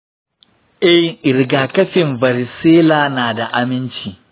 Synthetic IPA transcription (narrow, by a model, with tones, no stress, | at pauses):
ʔɛ˦hʔɪ˨ɾɡaː˨kɐ˦ɸɪ˨mbɐ˨ɾɪ˨seː˦laː˨naː˨da˨ʔa˨mɪ˦nt͡ʃiː˨